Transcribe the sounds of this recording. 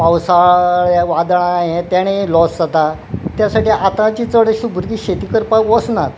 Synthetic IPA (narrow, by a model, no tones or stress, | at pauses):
pawsaɭjaʋad̪ɳ̃ãjẽt̪jaɽ̃elɔsd͡zat̪a | t̪jasaʈiːat̪ãt͡ɕiːt͡səɽəɕubʱuɾɡiːɕet̪iːkəɾpakʋɔsnat̪